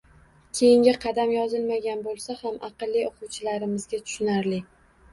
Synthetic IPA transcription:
kʲʰejɪŋɡʲɪqʰɑd̪amjɒzɪlmaɡʲanbolˠsahamʔɑqɨlːioqʊwt͡ʃʰɪlaɾɪmɪzɡʲat̪ʰʊ̥ʃʊnaɾlɪ

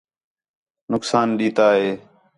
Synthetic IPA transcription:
nʊksaːnɗiːt̪aːɦeː

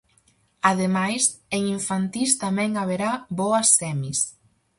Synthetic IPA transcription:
að̞emajseŋiɱfant̪ist̪amɛ̃ŋaβeɾaβɔɐsːɛmis

